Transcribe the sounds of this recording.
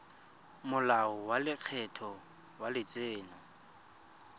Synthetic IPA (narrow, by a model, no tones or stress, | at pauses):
mʊlaɔwalɪk͡xʰɛtʰɔ | walɪt͡sʼeːnɔ